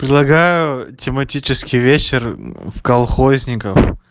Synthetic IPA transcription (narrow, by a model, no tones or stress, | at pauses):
pɾʲɪd̪lˠɐɡajʊtʲɪmɐtʲit͡ɕɪskʲɪjvʲet͡ɕɪrfkɐlˠxozʲnʲɪkəf